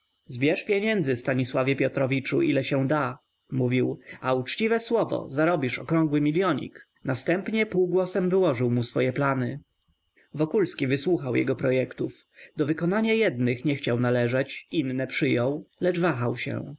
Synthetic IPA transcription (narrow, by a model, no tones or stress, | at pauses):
zbʲjɛʂpʲjeɲɛnd̪zɘst̪aɲiswavʲjɛpʲjɔt̪ɾɔvʲit͡ʂuʔilɛɕɛ̃d̪a | muvʲiwaut͡ʂt͡ɕivɛswɔvɔ̰zaɾɔbʲiʂɔkɾɔ̃ŋɡwɘmʲilʲjɔɲḭk | nast̪ɛmpɲɛpuwɡwɔsɛmvɘwɔʐɘwmusfɔjɛplanɘ | vɔkulskʲivɘswuxawjɛ̰ɡɔpɾɔjɛkt̪uf | d̪̥ɔvɘkɔnaɲajɛd̪nɘxɲɛxt͡ɕawnalɛʐɛt͡ɕinːɛpʂɘjɔ̃wlɛd͡ʐvaxawɕɛ̰